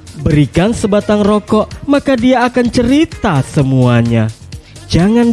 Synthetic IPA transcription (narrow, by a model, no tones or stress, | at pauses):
bəɾikansəbat̪aŋrɔkɔʔmakadiaːkant͡ʃəɾit̪asəmuaɲa | d͡ʒaŋan